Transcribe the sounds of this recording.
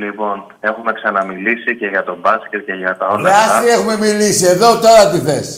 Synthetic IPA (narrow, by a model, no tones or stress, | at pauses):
lipo̞n | e̞xume̞ksɐnɐmilisice̞ʝɐt̪o̞bɐsce̞t̪̚ce̞ʝɐt̪ɐo̞lɐɐsie̞xume̞milisie̞ðo̞t̪o̞ɾɐt̪iθḛs